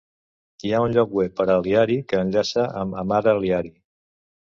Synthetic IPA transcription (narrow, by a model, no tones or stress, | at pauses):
iaunʎɔk̚wepəɾəliaɾikəːnʎasəʔəməmaɾəliaɾi